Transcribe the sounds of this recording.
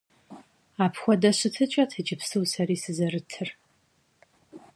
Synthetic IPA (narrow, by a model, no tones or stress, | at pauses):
aːpʰxʷɔdɐɕɪtʰɨt͡ʃʼɐtʰɨd͡ʒɪpsɨwsɐɾiːsɨzɐrɨtʰɨr